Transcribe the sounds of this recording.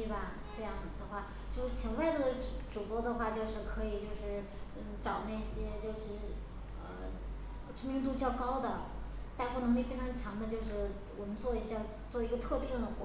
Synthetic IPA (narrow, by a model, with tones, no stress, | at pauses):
t̪bɐ˩ | ʈ͡ʂɤ˥˧jɑ˥˩ŋ˩d̪ə˩xwa˥˩ | t͡ɕjo˥˧ʊʂɻ̩˥˩t͡ɕʰjɛ˧˥nwa˥˩ɪd̪ə˩ʈ͡ʂu˨˩pwɔ˥d̪ə˨xwa˥˩t͡ɕjo˥˧ʊʂɻ̩˥˩kʰɤ˧˥i˨˩t͡ɕjo˥˧ʊʂɻ̩˥˩ | ə˥˩ʈ͡ʂɑ˨˩ʊna˥˩ɕjɛ˥t͡ɕjo˥˧ʊʂɻ̩˥˩ | ə˩ | ʈ͡ʂʰə˥ŋmi˧˥ŋt̪̬u˥˧t͡ɕjɑ˥˩ʊkɑ˥ʊd̪ə˨t̪a˥˧npɔ˥˩nɤ˧˥ŋli˥˩fe˥ʈ͡ʂʰɑ˧˥ŋt͡ɕʰjɑ˧˥ŋd̪ə˧t͡ɕjo˥˧ʊʂɻ̩˥˩ | wɔ˨˩mə˦nt͡swɔ˥˩i˧˥ɕja˥˧ | t͡swɔ˥˩i˧˥ɡə˧t̪ʰɤ˥˧t̪i˥˩d̪ə˨˩xwɔ˧˥